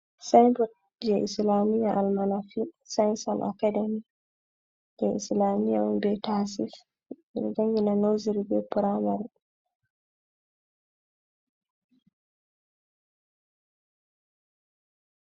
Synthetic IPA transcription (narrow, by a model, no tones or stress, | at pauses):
sanpɔt̚ | d͡ʒɛʔislamijaʔalmanafisansalʔa̰kademi | d͡ʒɛislamija̰bɛtasif | mḭnd͡ʒaŋɡinanowziɾibɛpuɾamaɾ